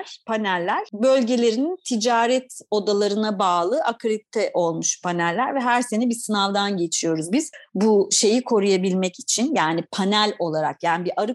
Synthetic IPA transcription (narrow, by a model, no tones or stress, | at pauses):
ɾ̥pʰanælʲːæɾ̥bø̞lʲɟe̞lʲe̞ɾinnt̪ʰid͡ʒaːɾɛt̪o̞d̪alˠaɾɯnabaːlˠɯʔakʰɾit̪ʰːɛʔo̞lˠmuʃpʰanælʲːæ̰ɾvɛɦæɾse̞nibisɯnavd̪anɟe̞t͡ʃʰijo̞ɾuzbiz̥buʃe̞jikʰo̞ɾujabilʲmɛci̥t͡ʃʰinjaːnipʰanælʲo̞lˠaɾakjaːnibiʔaɾɯ